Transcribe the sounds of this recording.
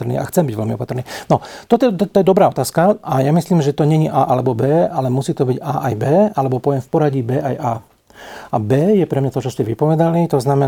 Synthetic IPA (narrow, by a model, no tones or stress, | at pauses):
t̪ɾnḭːʔa̰xt͡sɛmbiɟʋɛlmiɔ̰pat̪r̩niːnɔt̪ɔɛt̪t̪ɔjɛd̪ɔbɾaːɔt̪aːskaʔajamisliːmʒɛt̪ɔɲɛɲiʔaːʔalɛbɔbɛːalɛmusiːt̪ɔbiɟaːʔajbɛːalɛbɔpɔjɛmfpɔɾaɟiːbɛːʔajaː | abɛːjɛpɾɛmɲat̪ɔt͡ʃɔscɛʋipɔʋɛd̪alit̪ɔznamɛ